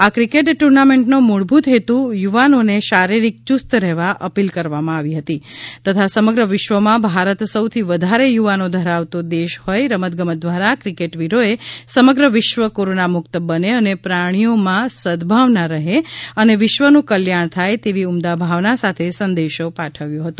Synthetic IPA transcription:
akɾikeʈʈːuɾnamẽɳʈnomuɭbʱut̪ɦet̪ũjuʋanoneʃaɾiɾik̚t͡ʃust̪ɾɛɦʋaʔə̰pilkəɾʋamãaʋiɦət̪it̪ət̪ʰasəməɡɾəʋɪʃʋəmãbʱaɾət̪səwt̪ʰiʋəd̪ʱaɾejuʋanod̪ʱəɾaʋt̪od̪eʃhojɾəmət̪̚ɡəməd̪ʋaɾakɾikeʈʋiɾoesəməɡɾəʋɪʃʋəkoɾonamʊk̚t̪əbəneənepɾaɽ̃ijomãsəd̪bʱaʋnaɾəɦeəneʋɪʃʋənũkəljaɳ̃t̪ʰajt̪eʋiumd̪abʱaʋnasat̪ʰesənd̪eʃopaʈʰəʋjõɦət̪u

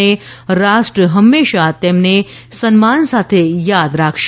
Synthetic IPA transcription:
eɾaʃʈɾəɦəmːeʃat̪emne | sənmansat̪ʰejad̪ɾakʰʃ

